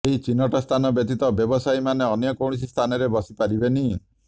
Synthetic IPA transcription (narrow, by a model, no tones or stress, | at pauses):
eɦit͡ʃinɔʈɔst̪ʰanɔbjɔt̪it̪ɔbjɔbɔsaimaneɔnjɔkowɽ̃is̬ist̪ʰanɔɾebɔsipaɾibeni